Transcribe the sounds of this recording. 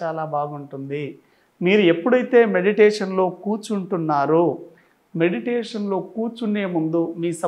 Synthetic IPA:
aːlaːbaːɡuɳʈund̪i | miːɾue̞pːuɽɐjt̪e̞ːme̞ɽiʈɛːʂɐnlo̞ːkuːɾt͡ʃuɳʈunːaːɾu | me̞ɽiʈeːʂɐnlo̞ːkuːɾt͡ʃune̞ːmund̪umiːsɐ

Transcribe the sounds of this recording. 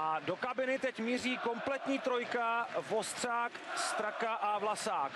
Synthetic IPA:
ʔado̞kabɪnɪt̪ɛcmiːriːko̞mplɛt̪ɲiːt̪ɾo̞jkavo̞st̪r̝̥aːkst̪ɾakaʔavlasaːk

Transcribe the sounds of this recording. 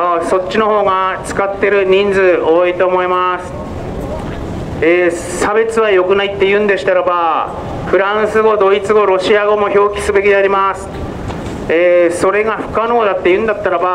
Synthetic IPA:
oso̞t͡ɕt͡ɕːɕino̞ɦo̞ːɡat͡sɨ̥kat̪ːe̞ɾɯ̟ɲ̟ĩnd͡zɨoit̪o̞ːmo̞imasɨ̥ | eː | sabe̞t͡sɨβajo̞kɯ̟nait̪ːe̞jɯ̟̃nd̪e̞ɕi̥t̪aɾaba | ɸɯ̟ɾãɰ̃sɨɡo̞d̪o̞it͡sɨɡo̞ɾo̞ɕiaɡo̞mo̞ço̞ːkʲi̥sɨbe̞kʲid̪e̞aɾʲimasɨ̥ | eːso̞ɾe̞ɡaɸɯ̟̥kanood̪at̪ːe̞jɯ̟̃nd̪at̪ːaɾaba

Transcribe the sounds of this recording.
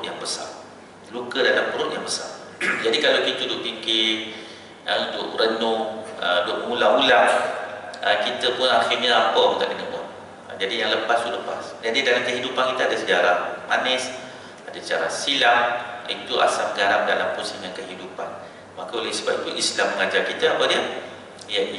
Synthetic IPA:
t̪̚jaŋbəsa̰r | lukədalampəɾʊt̪̚jaŋbəsa̰rd͡ʒadikalawkit̪udʊʔpikɪ | əutʊʔrənʊədʊʔmulamula | əkit̪əpʊnaxirɲaapəunt̪a̰ʔdəŋəmʊt | ə̰d͡ʒadijaŋləpast̪uləpa̰sd͡ʒadidalamkəɦidupankit̪əadəsəd͡ʒaɾahmanɪs | adasə̥t͡ʃa̰ɾa̰hsilamit̪ua̰saməɡaɾaŋdalampʊnsəŋankəɦidupan | makaolasəbap̚it̪uʔislamːəŋad͡ʒarkit̪əapadiə | jadi

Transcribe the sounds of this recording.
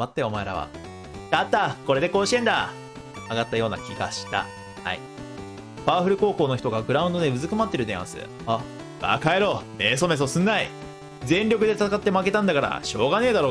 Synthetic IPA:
mat̪ːeo̞maeɾa̰βa̰ | kat̪ːako̞ɾe̞d̪e̞ko̞ːɕi̥ẽ̞nd̪a̰ | aɡat̪ːajo̞ːna̰kʲiɡa̰ɕi̥t̪a̰ | ha̰ḭ | b̥aːɸɯ̟ɾɯ̟ko̞ːko̞ːno̞çi̥t̪o̞ɡaɡɯ̟ɾaɯ̃nd̪o̞d̪e̞ɯ̟zɨkɯ̟mat̪ːe̞ɾɯ̟d̪ẽã̰sɨ̰ | a | ba̰kaeɾo̞ːmes̬o̞me̞s̬osɨ̃nːai | zẽ̞nɾʲo̞kɯ̟d̪e̞t̪at̪akat̪ːe̞make̞t̪ãnd̪akaɾa̰ɕo̞ːɡaneːd̪aɾo̞ː

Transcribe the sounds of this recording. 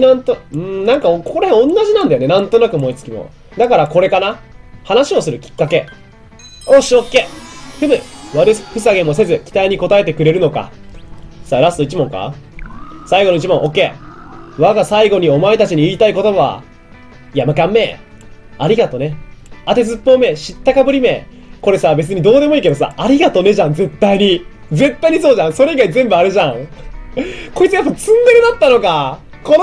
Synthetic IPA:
nãnt̪oɯ̟̃nãŋkaokkoɾẽõnːaʑinãnd̪ajo̞ne̞nãnt̪o̞nakɯmo̞it͡sɨ̥kʲimo̰ | d̪akaɾako̞ɾe̞kanahanaɕio̞sɨɾɯ̟kʲi̥kːake̞ | oɕiokːeɸɯ̟bɯβaɾɯ̟sɸɯ̟saɡẽ̞mːo̞s̬e̞zɨkʲi̥t̪aiɲ̟iko̞t̪ae̞t̪e̞kɯ̟ɾe̞ɾɯ̟no̞ka̰ | saɾasɨ̥t̪o̞it͡ɕimõ̞ŋka̰ | saiɡo̞no̞it͡ɕimõ̞ʔo̞ke̞ːβaɡasaiɡo̞ɲ̟io̞maet̪at͡ɕiɲ̟iiːt̪aiko̞t̪o̞baβa̰ | jamakãmːe̞ː | aɾʲiɡat̪o̞ne̞at̪e̞zɨpːo̞ːme̞ːɕit̪ːakabɯ̟ɾʲime̞ː | ko̞ɾe̞saːbe̞t͡sɨɲ̟id̪o̞ːd̪e̞mo̞iːke̞d̪o̞sa̰ːʔaɾʲiɡat̪o̞ne̞ʑãnd͡ze̞t̪ːaiɲ̟i | d͡ze̞t̪ːaiɲiso̞ːʑãɰ̃so̞ɾe̞iɡaizẽ̞mbɯ̟aɾɯ̟ʑãŋ | ko̞it͡sɨjapːat͡sɨ̃nd̪e̞ɾɯ̟d̪at̪ːano̞ka | kon

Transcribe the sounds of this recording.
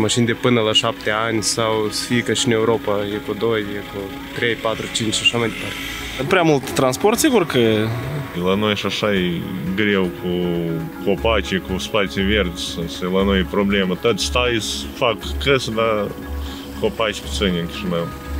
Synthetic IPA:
maʃinʲd̪ʲepɨnəlaʃap̚t̪eanʲsawsfikəʃʲiɨnewɾopajekud̪ojjeku | t̪ɾejpat̪ɾut͡ʃint͡ʃʃaʃamajd̪epart̪e | pɾʲamult̪ːɾansport̪siɡurkə | lanojʃaʂaeɡɾʲewkukopat͡ʃʲekuspasʲevʲerd̪ʲsɨsɨlanojpɾoblʲemət̪ot̪sʲst̪ajisfakːɨsd̪a | kopat͡ʃʲpu̥sɨnʲeŋkʲi̥ʃnəw

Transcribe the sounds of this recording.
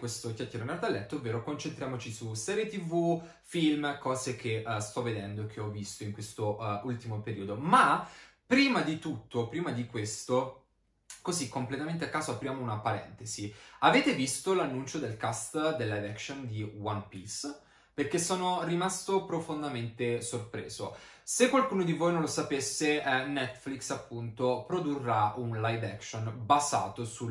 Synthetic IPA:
kwest̪okʲjakːeːɾonɛɾt̪alːɛt̪ːoovːeːɾokont͡ʃent̪ɾjaːmot͡ʃisusɛːɾjet̪ivu | filmkɔːzek̟ʰest̪ɔvːed̪ɛnd̪oekʰːeɔvːist̪oiŋkwest̪oult̪imopeɾiːod̪oma | pɾiːmad̪it̪ut̪ːopɾiːmad̪ikwest̪o | kozikːomplet̪ament̪eakːaːzoapɾjaːmounapaɾɛ̰nt̪eziaveːt̪evist̪olanːunt͡ʃod̪elkast̪d̪elːajd̪ɛksond̪iwanpis | perkesːoːnorimast̪opɾofond̪ament̪esorpɾḛːzo̰ | sekːwalkuːnod̪ivojnõnlosapesːenɛt̪ːfliksapːunt̪opɾod̪urːaunlajd̪ɛkʃonbaza̰ːt̪osu

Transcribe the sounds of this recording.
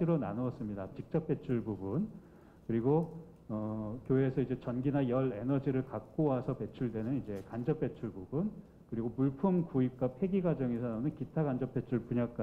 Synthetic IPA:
iɾona̰noʌs͈ɯmɲidat͡ɕik̚t͡ɕ͈ʌp̚p͈e̞t͡ɕʰuɭbubun | kɯɾiɡo | ʌkjoɦe̞sʰʌid͡ʑe̞t͡ɕʌnɡinajʌɾe̞nʌd͡ʑiɾɯɭkak̚k͈owasʰʌpe̞t͡ɕʰuɭdwe̞nɯnid͡ʑe̞kand͡ʑʌp͈e̞t͡ɕʰuɭbubun | kɯɾiɡopuɭpʰumkuip̚k͈apʰe̞ɡiɡad͡ʑʌŋesʰananɯnkitʰaɡand͡ʑʌp͈ːe̞t͡ɕʰuɭpuɲak͈a

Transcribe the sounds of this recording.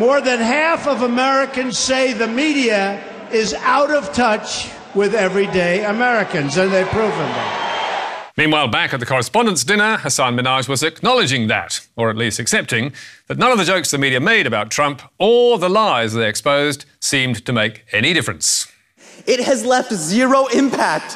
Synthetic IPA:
mɔɹðɨ̃nɦæfʌvəmɛɹɨkɨ̃nz̥seɪðɨmiɾiɨ | ɪzaʊɾʌv̥tʰʌt͡ʃ | wɪðɛvɹideɪɨmɛɹɨkɨ̃nzɨ̃nðeɪpʰɹ̥uvɨ̃nðɨ̰̃ | mĩnwaɪlˠbækɨt̪̚ðɨkʰɔɹɨspɑ̃ndə̃ntsd̥ɪ̃nə˞ə˞sæ̃nmɨnɑʒwʌzɨknɑlˠɨd͡ʒɪ̃ŋðɨ̰ɾə˞ɨtˡlistɨksɛp̚tɪ̃ŋðɨtⁿnʌ̃nʌvðɨd͡ʒoʊksðɨmiɾiɨmeɪɾɨbaʊtʰɹ̥ʌ̃mpʰə˞ðəlaɪzðeɪɨkspoʊzd̥sĩmtʰɨmeɪkɛɾ̃iɾɪfɹɨ̃ns | ɪt̚hɨzlɛftzɪɹoʊɪ̃mpʰæk̚t

